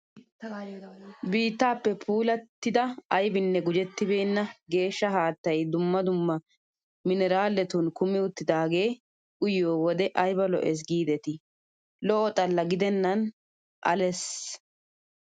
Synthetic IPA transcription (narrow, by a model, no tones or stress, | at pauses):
biːt̪ːaːpːɛpʰuːlɐt̪ːɪd̪ɐɐjbɪnːɛɡʊd͡ʒɛt̪ːɪbeːnːɐɡe̞ːʃːɐɦaːt̪ːɐjd̪ʊmːɐd̪ʊmːɐ | mɪnɛɾaːlːɛt̪unkʊmɪʊt̪ːɪd̪aːɡe̞ː | ʔʊjoːwɔd̪ɛʔɐjbɐlɔ̰ʔɛs̬ɡiːd̪ɛt̪ɪ | lɔʔɔt̪ʼɐlːɐɡɪd̪ɛnːɐn | ʔɐ̰lɛs